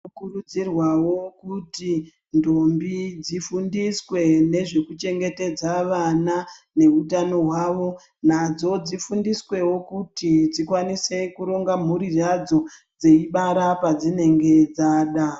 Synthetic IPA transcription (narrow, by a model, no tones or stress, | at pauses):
kuɾud͡zirwawo̞kuti | ndombid͡zifundiswe̞ne̞ʐe̞kut͡ʃe̞ŋɡe̞te̞d͡zaʋanane̞ɦutano̞ɦwaʋo̞ | n̤ad͡zo̞d͡zifundiswe̞wo̞kutid͡zikwanise̞kuɾo̞ŋɡam̤uɾirad͡zo̞ | d͡ze̞iɓaɾapad͡zine̞ŋɡe̞d͡zaːɗa